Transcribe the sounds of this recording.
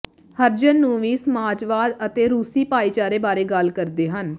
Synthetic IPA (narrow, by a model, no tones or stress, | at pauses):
həɾd͡ʒənːũːʋiːsəmaːd͡ʒʋaːd̪ət̪eːɾuːsiːpaːiːt͡ʃaːɾeːbaːɾeːɡəlkəɾd̪eːɦən